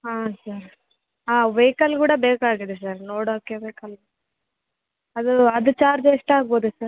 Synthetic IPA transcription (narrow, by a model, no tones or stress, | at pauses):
aːsɐɾ | aːʋejkɐlkuːɽɐbeːkaːɡid̪es̬ɐɾnoːɽoːkːeʋeːkɐl | ɐd̪uɐd̪ut͡ʃaːɾd͡ʒiʂʈɐaːɡ̚bo̞ːd̪usɐɾ